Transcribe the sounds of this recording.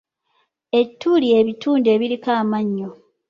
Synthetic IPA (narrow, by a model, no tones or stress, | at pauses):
e̞tʰːulie̞βitʰuːndie̞βilikaːmaɲːo